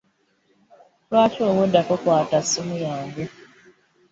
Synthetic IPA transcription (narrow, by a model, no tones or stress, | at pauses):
lwaːcoːwodːakokwaːtasimujaːɲɡe